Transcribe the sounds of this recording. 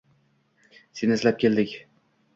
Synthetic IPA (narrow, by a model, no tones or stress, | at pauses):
senɪzlap̚kʲʰe̞ld̪ɪkʲ